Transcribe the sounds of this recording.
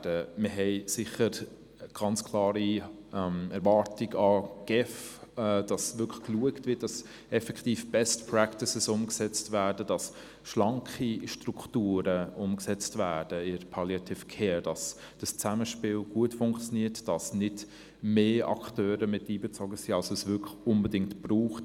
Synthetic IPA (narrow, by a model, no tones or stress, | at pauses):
dəmɪɦɛɪsɪχəɾ | ɡ̥ɑnt͡skʰlɑːɾiɛmɛɾvɑːɾtiɡɑɡ̥ɛfɛd̥ɑsvʏkʰlə̥kluəktvɪt̚d̥ɑs | ɛfɛktiːfb̥ɛstpʰɾæktɪsɪsʊmksɛt͡stvæːdədɑs | ʃlɑŋkχiʃtɾuktuːɾəʊmksɛt͡stvæːd̥əɪpʰaljatʰɪfkʰeːd̥ɑs | d̥ɑst͡sæməʃpɪːlɡ̥uətfʊŋkt͡sjoniətd̥ɑsnɪd | meːɑ̰ktøːɾəmɪtːiːbɛt͡sɔɡəsiːɑlsosvʏkʊmbədɪŋtb̥ruːχt